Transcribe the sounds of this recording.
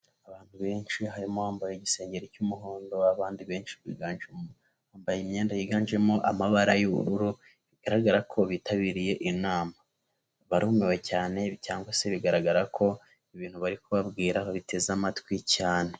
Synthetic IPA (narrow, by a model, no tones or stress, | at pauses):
aβaːn̥huβe̞ːnʃiɦaɾimohaːmbajeɟise̞ːɲɟe̞ɾecumuɦoːndo̞aβaːndiβe̞ːnʃi̥βḭːɡaːnʒemo | haːmbajimɲe̞ːndajiɡaːnʒe̞moʔamaβaɾajuβṵɾuɾu | βiɡ̥aɾaɡaɾakʰo̞βitaβiːɾije̞ʔinaːma | βaɾume̞we̞caːne̞caːŋɡwase̞βiɡaɾaɡaɾakʰo̞ | iβiːn̥huβaɾikuβabɡiːɾahaβite̞zamatwicaːne̞